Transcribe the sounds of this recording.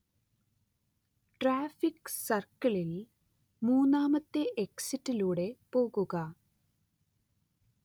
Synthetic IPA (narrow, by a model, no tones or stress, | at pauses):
ʈraːfiksɐrkɐɭil | muːnːaːmɐt̪ːeʔeksitːiluːɽe̞po̞ːɣuɣɐ